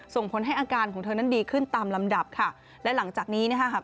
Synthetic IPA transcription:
so˨˩ŋpʰo˩˦nɦa˥˩jʔaː˧kaː˧nkʰɔː˩˦t̪ʰːna˦˥˩ndiː˧kʰɯ˥˩nt̪aː˧mla˧mda˨˩p̚kʰa˥˩ | lɛ˦˥la˩˦ŋt͡ɕaː˨˩k̚niː˦˥na˥˩kʰa˦˥kʰa˥

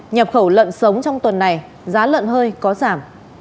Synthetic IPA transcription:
ɲaː˨˩p̚xə˧˩wlə̰˧˨nsə˨˦wŋ͡mt͡ɕɔ˧wŋ͡mt̪wə˨˩nːa˨˩j | zaː˨˦lə̰˧˨nhəː˧jkɔ˨˦zaː˧˩m

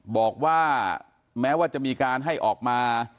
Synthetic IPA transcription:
bɔː˨˩k̚waː˥˩ | mɛː˦˥waː˥˩t͡ɕa˨˩ʔmiː˧kaː˧nɦa˥˩jʔɔː˨˩k̚maː˧

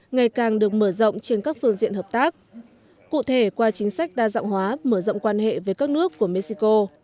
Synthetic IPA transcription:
ŋa˨˩jkaː˨˩ŋɗɨ˨˩ək̚məː˧˩zə̰˧˨wŋ͡mt͡ɕe˧nkaː˦˥k̚fɨ˧əŋzḭ˧˨ənhəː˨˩p̚t̪aː˦˥k̚ | kṵ˧˨t̪ʰe˧˩kwaː˧t͡ɕï˨˦ŋ̟sa˦˥jk̟̚ɗaː˧za̰ː˧˨wŋ͡mhwaː˨˦məː˧˩zə̰˧˨wŋ͡mkwaː˧nhḛ˧˨ve˨˦jkaː˦˥k̚nɨ˦˥əkːu˧˩əme˧si˧ko˧

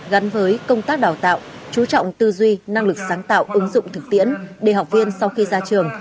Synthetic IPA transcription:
ɣa˨˦nvəː˨˦jkə˧wŋ͡mt̪aː˦˥k̚ɗaː˨˩wt̪a̰ː˧˨wt͡ɕu˨˦t͡ɕɔ̰˧˨wŋ͡mt̪ɨ˧zwi˧na˧ŋlɨ˨˩k̚saː˨˦nt̪a̰ː˧˨wʔɨ˨˦ŋzʊ̰˧˨ŋ͡mt̪ʰɨ˨˩k̚t̪ḭ˧˥ənɗe˨˩ɦa˨˩wk͡p̚vi˧ənsa˧wxi˧zaː˧t͡ɕɨ˨˩əŋ

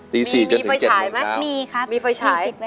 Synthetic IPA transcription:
t̪iː˧siː˨˩t͡ɕnʰ˧˨a˧je˨aː˩˦jma˦˥miː˧kʰmiː˧fa˧jt͡ɕʰaː˧˩˦j

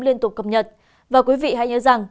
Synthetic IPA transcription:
mli˧ənt̪ʊ˨˩k͡p̚kə˨˩p̚ɲə˨˩t̚ | vaː˨˩kwi˨˦vḭ˧˨ɦa̰˧jɲə̰˧˨˦za˨˩ŋ

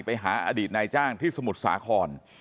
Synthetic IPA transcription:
pa˧jɦaː˩˦ʔa̰ː˧diː˨˩t̪̚naː˧jt͡ɕaː˥˩ŋt̪ʰiː˥˩sa˧mu˨˩t̪̚sa̰ː˩˦kʰɔː˧n

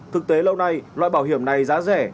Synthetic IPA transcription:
t̪ʰɨ˨˩k̚t̪e˨˦lə˧wna˧jlwa̰ː˧˨jɓaː˧˩wɦi˧˩əmna˨˩jzaː˨˦zɛ̰˧˩

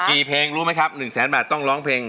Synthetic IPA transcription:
kiː˨˩pʰeː˧ŋɾuː˦˥ma˦˥jkʰa˦˥p̚nɯ˨˩ŋsɛː˩˦nbɛː˨˩t̪ːɔ˥˩ŋlɔː˦˥ŋpʰeː˧ŋ

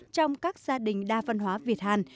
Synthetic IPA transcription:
t͡ɕɔ˧wŋ͡mkaː˦˥k̚z̥aː˧ɗï˨˩ŋ̟ɗaː˧və˧nɦwaː˨˦vi˨˩ət̚haː˧˩n

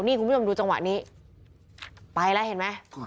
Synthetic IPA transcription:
ni˥˩ku˧˦˥o˧mduː˧t͡ɕa˧ŋwa̰˨˩ʔniː˦˥ | pa˧jlɛ˦˥ɦe˨˩˦nma˦˥j

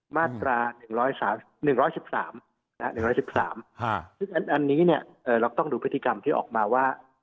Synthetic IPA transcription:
maː˥˩t̪ɾaː˧nɯ˨˩ŋɾɔː˦˥jsaː˩˦m | nɯ˨˩ŋɾɔː˦˥jsi˨˩p̚sa̰ː˩˦m | na˦˥a˦˥nɯ˨˩ŋɾɔː˦˥jsi˨˩p̚sa̰ː˩˦mʰsɯ˥˩ŋʔa˧nʔa˧nːiː˦˥ni˥˩ɐʔɤː˨˩ɾa˧wt̪ɔ˥˩ŋduː˧˦˥t̪ːi˧ka˧mt̪ʰiː˥˩ʔɔ̰ː˨˩k̚maː˧waː˥˩

